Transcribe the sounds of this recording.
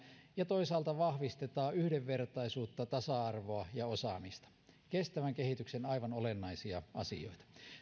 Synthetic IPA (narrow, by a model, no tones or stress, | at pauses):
jɑt̪o̞isɑːlt̪ɑʋɑhʋist̪et̪ɑːyhdeʋːert̪ɑisuːt̪ːɑt̪ɑsɑɑrʋoɑjɑosɑ̰mist̪ɑ̥ | kest̪æʋæŋkehit̪yksenɑiʋɑnolenːɑisiɑ̰ʔɑ̰sḭo̰it̪ɑ̥